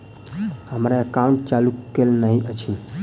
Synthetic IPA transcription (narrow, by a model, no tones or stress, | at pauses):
həmɾaekãũɳʈ̚t͡ʃalukelnəɦiʔət͡ʃʰi